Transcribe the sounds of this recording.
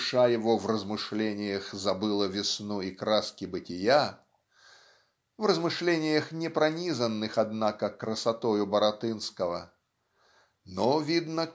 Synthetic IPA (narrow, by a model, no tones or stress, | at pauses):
ʂajɪvovrəzmɨʂlʲenʲɪjəxzɐbɨlˠəvʲɪsnuikɾaskʲɪbɨtʲɪja | vrəzmɨʂlʲenʲɪjəxnʲɪpɾɐnʲizənːɨxɐd̪nakəkɾəsɐt̪ojʊbəɾɐt̪ɨnskəvə̰ | novʲid̪nə